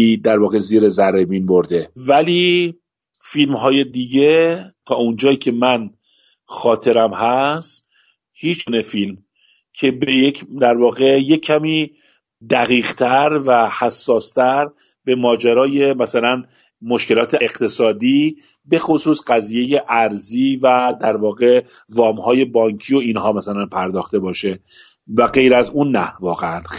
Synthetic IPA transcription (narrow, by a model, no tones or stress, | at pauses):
iːd̪æɾvɒːɣe̞ziːɾezæɾebiːnboɾd̪e̞væliː | filmɦɒːje̞d̪iːɟe̞t̪ʰɒːund͡ʒɒːjiːcʰe̞mæn | xɒːt̪ʰe̞ɾæmhæst̪ | hiːt͡ʃunefilm | cʰe̞bejecʰd̪æɾvɒːɣe̞je̞cʰːæmiː | d̪æɣiːɣt̪ʰæɾvæhæsːɒːst̪ʰæɾ | b̥e̞mɒːd͡ʒæɾɒːje̞mæsælæn | mo̞ʃke̞lɒːt̪ʰeeɣt̪ʰe̞sɒːd̪iː | be̞xo̞suːsɢæziːje̞je̞ʔæɾziːvæd̪æɾvɒːɣe̞ | vɒːmhɒːje̞bɒːŋcʰiːo̞iːnhɒːmæsælænpʰæɾd̪ɒːxt̪e̞bɒːʃe̞ | væɡe̞jɾæzuːnːævɒːɣeæn